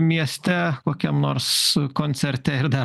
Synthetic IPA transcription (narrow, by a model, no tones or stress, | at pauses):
mʲiɛsʲt̪ʲɛkoːkʲɛmnoːɾskoːnʲt̪sʲɛɾʲt̪ʲɛɪɾd̪ɐ